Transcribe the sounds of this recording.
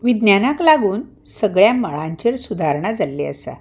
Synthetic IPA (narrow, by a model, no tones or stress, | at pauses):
ʋid̪njanaklaɡuːn | səɡɭjaməɭãɲt͡ɕeɾsud̪ʱaɾɳad͡zalːḛəsa̰